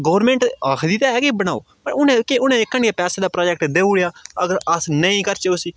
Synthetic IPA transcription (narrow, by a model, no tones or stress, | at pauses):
ɡəːʋɾmẽːɳʈakʰd̪iːt̪aːɛːkibəñaːo̰ː | pəɾʊnẽːkɪʊnẽːɪkːəɳɖjeːpɛːseːd̪aːpɾaːd͡ʒɛk̚ʈd̪eːuɽejaːəɡəɾəsnəĩːkəɾt͡ʃəoːsiː